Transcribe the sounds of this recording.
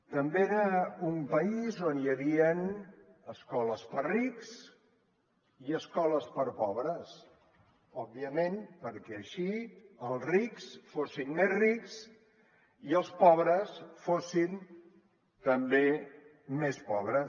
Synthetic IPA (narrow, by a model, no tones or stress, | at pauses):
t̪əmbeeɾəumpəizonjəβiənəskɔləspəriks | iəskɔləspəɾpɔβɾəs | ɔb̚ːiəmenpəɾkɛəʃiəlˠzriksfosinmezriks | iəlˠspɔβɾəsfosin | t̪əmbe | mespɔβ̞ɾə